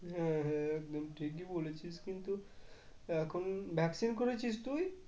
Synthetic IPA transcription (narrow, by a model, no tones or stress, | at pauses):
ɦɛ̃ɦɛ̃ɛk̚d̪omʈʰik̬ibolet͡ɕʰiʃkint̪u | ɛkʰonbʱɛksinkoɾet͡ɕʰiʃt̪uj